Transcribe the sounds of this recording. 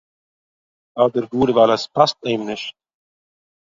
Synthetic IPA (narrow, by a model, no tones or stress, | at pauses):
aːd̪əɾɡuːɾvalɛspʰast̪eɪmnɪʃt̪̚